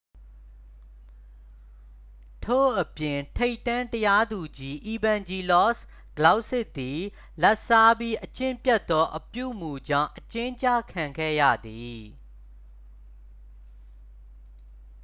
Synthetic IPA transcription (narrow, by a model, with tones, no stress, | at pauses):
tʰo̰˦˨ʔəpjɪ̃˨ntʰe˦ɪtːã˦ntəja˦d̪u˨d͡ʑi˦ʔi˨bã˨nd͡ʑi˨lɔ˦˨s | ɡ̥əla˦ʊʔsɪ˦˨ʔt̪ːi˨ | lɛ˦ʔsa˦bji˦ʔət͡ɕɪ̃˦˨mpjɛ˦t̪ːɔ˦ʔəpjṵ˦˨mu˨d͡ʑã̰˦˨ʊ̃ʔət͡ɕɪ̃˦ɲt͡ɕa̰˦˨kʰã˨ŋɡɛ̰˦˨jä̰˦˨d̪i˨